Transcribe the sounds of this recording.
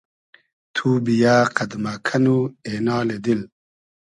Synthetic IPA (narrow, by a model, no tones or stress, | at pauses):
t̪ʰuːbijaːqɐd̪makʰɐnuenaːled̪il